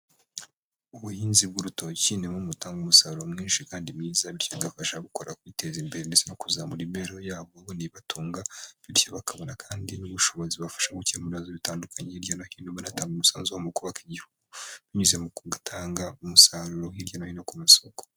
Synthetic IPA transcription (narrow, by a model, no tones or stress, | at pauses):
uβujiːnzib̚ɡuɾuto̞cinemumutaːŋɡumusaːɾuɾomŋiːnʃikaːndimɲiːzaβiɾcaɡafaʃaɡuko̞ɾʔa̰kwite̞zimbe̞ɾenizenokuzamuɾimeɾo̞jaːβooniβatʰuːŋɡaβiɾcoβakʰaβo̞nakʰaːndinuβuʃo̞βoziβafḁʃaɡucimuβiazoβitaːndukʰaɲeiɾjanahiːnoβonataːŋɡumusaːnzuomukuβakiɟihuɡuβiɲuzemuɡatʰaːŋɡaumusaːɾuɾohiɾjanahiːno̞kumuso̞ɡo